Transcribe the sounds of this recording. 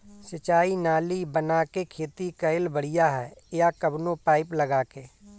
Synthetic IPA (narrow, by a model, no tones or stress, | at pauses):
sɪt͡ʃaːinaːlibənaːkekʰeːt̪ikɐɪlbəɽ̤ɪjaɦɛːjakəbnopaːɪplɐɡaːkeː